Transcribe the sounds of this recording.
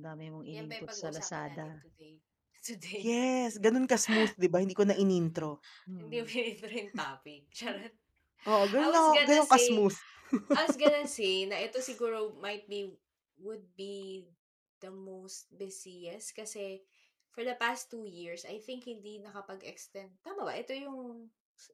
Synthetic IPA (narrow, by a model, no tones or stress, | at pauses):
damɛmoŋʔɪinɐɾʊɐsɐlɐsaːd̪ɐd̪ej | t̪ʊd̪ejɛsɡɐnonkɐsmuθd̪ɪbɐhɪnd̪iːkonɐʔɪnint̪ɾo | hɪnd̪imoɪnint̪ɾoɪnt̪aːpɪk̚t͡ʃaɾɐt̪ | ʔoʔoɡɐnolɐkoɡɡɐnoŋkɐsmuθ | ɐwɐsɡɐnonsenɐʔɛt̪o̞sɪɡuːɾomɐjt̪̚bi | wʊd̪̚bi | d̪̥ɐmowst̪̚bɛsiɐskɐsɛ | fɔɹd̪ɐpast̪ːuːjiɹsɐjθɪ̃ŋkhɪ̃nd̪inɐkɐpɐɡɛkst̪ɛnd̪̚t̪aːmɐbɐ̰ʔɛt̪o̞jʊŋ